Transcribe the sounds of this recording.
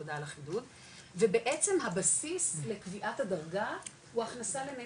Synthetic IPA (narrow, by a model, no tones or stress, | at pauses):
odalaχidut | vebeʔet͡se̞mɦabasisle̞kviʔathadaʁɡa | huaχnasaleme